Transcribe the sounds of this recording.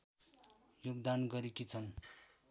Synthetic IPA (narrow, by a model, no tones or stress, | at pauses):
joɡ̚d̪anɡʌɾikit͡sʰʌn